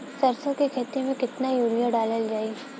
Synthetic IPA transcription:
sɐɾsõkekʰeːt̪emẽkɪt̪najuːɾijaɖaːləld͡ʒaːi

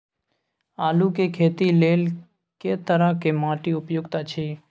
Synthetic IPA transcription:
aːlukekʰeːt̪ileːl | ket̪əɾəkemãːʈiʊpjʊɡt̪at͡ʃʰiː

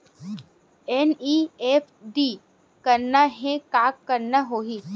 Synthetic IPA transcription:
ɛniːeːpʰɖiː | kɐɾnaɦɛ̃kaːkːɐɾnaɦoːɦiː

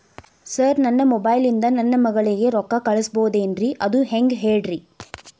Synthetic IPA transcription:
sɐɾnɐnːɐmɔbɐːjlind̪ɐnɐnːɐmɐɡɐɭiɡe̞ɾɔkːɐkɐɭɐsboːd̪eːnɾiʔɐd̪uɦeŋɡɦeːɖɾi

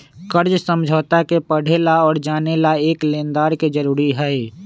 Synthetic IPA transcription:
kəɾd͡ʒsə̃md͡ʒʱəːt̪akepəɽ̤ʱelaɔːɾd͡ʒaːnelaeːklẽːnd̪aːɾkid͡ʒəɾuːɾiɦɛ

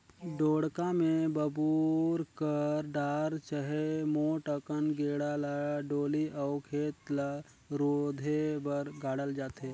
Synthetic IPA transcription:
ɖoːɽkamẽbəbuɾkəɾɖaːɾt͡ʃəɦemoːʈəkənɡeːɽalaɖoːliʔɔːʊkʰeːt̪la | ɾoːd̪ʱebəɾɡʱaːɽəld͡ʒaːt̪ɦeː

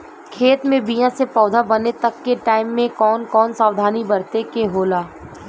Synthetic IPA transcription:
kʰeːt̪mẽbijãsepɔːd̪ʱabɐnet̪ɐkːeʈaːɪmːẽkɔːnkɔːnsaːwd̪ʱaːnibɐɾt̪ekeɦoːlaː

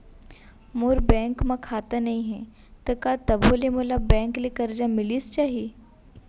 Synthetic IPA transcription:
moːɾbɛ̃ːŋkmãkʰaːt̪anɐɦĩɦɛ | t̪ɐkat̪ɐbʱolemolabɛ̃ːŋklikɐɾd͡ʒamɪlist͡ʃaːɦie

